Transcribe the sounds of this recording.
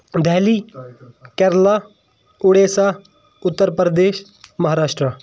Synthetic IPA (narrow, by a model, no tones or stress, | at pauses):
d̪ʱɛːliː | kɛːɾlaː | ʊɽeːsaː | ʊt̪ːəɾpɾd̪eːʃ | mɐɦaːɾaːʃʈɾa